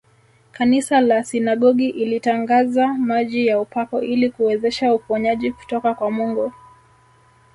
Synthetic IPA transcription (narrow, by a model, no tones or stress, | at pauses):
kanisalasinaɠɔɠiʔilitaŋɡazamaʄijaupakɔilikuwɛzɛʃaufɔɲaʄiku̥tɔkakwamuŋɡɔ